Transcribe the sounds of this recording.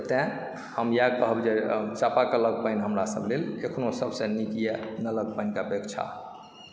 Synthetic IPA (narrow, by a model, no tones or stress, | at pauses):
t̪ɛ̃ | həmjakəɦbd͡ʒet͡ʃapakələɡpənɦəmɾasə̰blelekʰnosəbsẽnikijenələɡ̚pəjnkapekt͡ʃʰa̰